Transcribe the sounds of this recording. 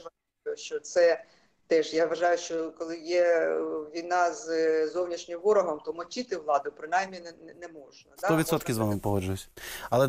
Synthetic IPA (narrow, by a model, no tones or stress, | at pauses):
ʋɐ | ʃt͡ʃɔt̪sɛ | t̪ɛʒjaʋɐʒɑjʊʃt͡ʃɔkɔlˠɪjɛʋʲijnɑzzɔwnʲiʃnʲɪmʋɔɾɔɦɔmt̪ɔmɔt͡ʃʲɪt̪ɪʋlˠɑd̪ʊpɾɪnɑjmʲinnɛmɔʒnɐd̪aɔʋʲit̪sɔt̪kʲɪzʋamɪmpɔɦɔd͡ʒʊjʊsʲɐlˠɛ